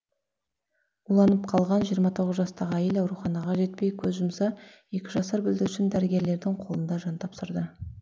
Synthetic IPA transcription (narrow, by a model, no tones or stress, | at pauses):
ulˠɑnəp̚qʰɑlˠʁɑnʒijəɾmɑt̪ʰo̞ʁəzʒɑst̪ɑʁəæjelɑwɾuχɑnɑʁɑʒe̞t̪pe̞jkʲʰɵzʒʊmsɑ | e̞kʲɪʒɑsɑɾbʏld̪ɪʏʃɪnd̪æɾɪɡʲe̞ɾle̞ɾd̪ɪɴqʰo̞lˠənd̪ɑʒɑnt̪ʰɑpsəɾd̪ə